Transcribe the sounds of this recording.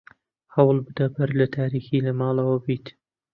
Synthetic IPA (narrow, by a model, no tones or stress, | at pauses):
hɐwlˠbɨd̪ɐbɐɾlɐt̪ʰaːɾiːxiːlɐmɑːlɐwɐbiːt̪